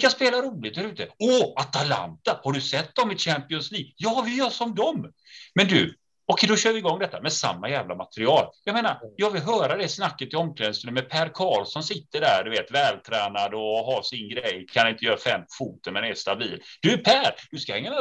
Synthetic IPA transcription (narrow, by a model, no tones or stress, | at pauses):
kaspeːlaɾuːlɪɡt̪̚d̪æɾʉ̟ːt̪əɔat̪ala̰nt̪ahaɖɵsɛt̪ːd̪ɔmːɪt̪ɕæmpɪɔnsliːɡjɑːvɪljœːʂɔmd̪ɔm | mɛnd̪ɵ̰ | ɔkʰɛjd̪ɔɕøːɾvɪːɡɔŋːd̪ɛt̪ːamɛsa̰mːajæːvlamat̪ɾɪɑːljɑmeːnaɾjɑːɡvɪlɦœːɾad̪ɛsnakːət̪ʰːɪɔmːkʰlɛːd̪st̪ənəmɛd̪̚pʰæːɾkʰɑːlsɔmsɪt̪ːəɖæ̰ɾd̪ɵveːt̪vɛːlt̪ʰɾɛːnad̪ɔɦasɪnɡɾɛjːkʰanɪnt̪əjœːɾafɛmːfuːt̪əɾmɛnɛʂt̪abiːld̪̥ɵpʰæɾd̪̥ɵskahɛŋːamɛ